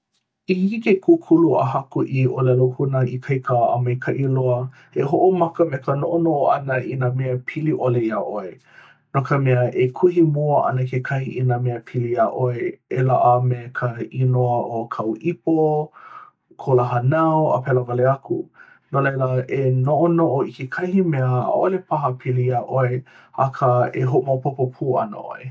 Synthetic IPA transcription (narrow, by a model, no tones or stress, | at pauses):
ihiikekʰukʰuluʔə̰hɐkuʔiʔolɛlohunəikʰɐjkəə̰mɐjkʰɐʔiloə | eɦoʔomɐkəmekʰənoʔonoʔoɐnəinameəpʰiliʔoleiaʔoe | nokəmɛəʔekʰuhimoəʔɐ̰nəkʰekʰɐhiʔinameəpʰiliaʔoeelaʔəmekʰəinoəʔokʰɐwʔipo | kʰolaɦɐnɐwə̰pɛlovaleɐkʰu | nolejləenoʔonoʔoikekʰɐhimɛəa̰ʔolepʰɐɦɐpʰilijaʔoe | a̰kʰəeɦoʔomawpopopʰuːɐ̰nə̰ʔo̰e